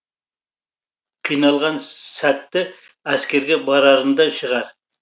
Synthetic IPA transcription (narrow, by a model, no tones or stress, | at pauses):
qʰijnɑlˠʁɑnsæt̪ːɪ | æskʲe̞ɾɡʲebɑɾɑɾənd̪ɑʃəʁɑɾ